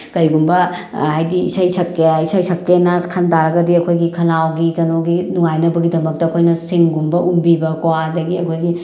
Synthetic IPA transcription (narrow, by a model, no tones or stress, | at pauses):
kɐjɡumbɐhajdḭːsɐjsʰɐkeisɐjsʰɐkːenɐkʰɐntaɾɐɡɐdiɐkʰojɡikʰɐlawɡikɐnoɡinuŋajnɐbɐɡidɐmɐk̚tɐːkʰojnɐsiŋɡumbɐʔumbibɐkwadɐɡiɐkʰojɡi